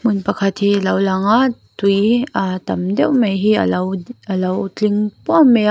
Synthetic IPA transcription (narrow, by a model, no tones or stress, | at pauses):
munpɐkʰat̪hilawlaŋatujatɐmdɛwmejɦḭwalɐwt͡ɬiŋpuame